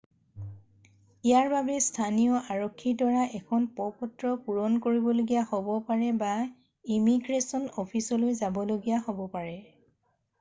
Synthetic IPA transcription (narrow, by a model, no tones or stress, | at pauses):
ijaɹbabɛstʰanijɔʔaɹɔkʰːidɔɹaʔɛkʰɔnpɔpɔtɹɔpuɹɔnkoɹibɔloɡijahobɔpaɹɛba | imiɡɹesɔnɔpʰisɔlojzabɔloɡijaɦobɔpaɹɛ